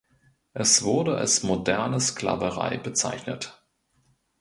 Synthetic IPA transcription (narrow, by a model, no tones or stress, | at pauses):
ʔɛsv̥ʊɐdəa̰lsmodɛɐnəskl̥a̰ːvəʁ̞a̰ɪbət͡sa̰ɪçnət